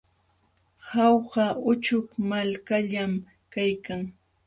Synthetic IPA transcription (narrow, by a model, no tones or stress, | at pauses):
hɑwɢɑʊt͡ʃʊkmalkaʎam | kajkaŋ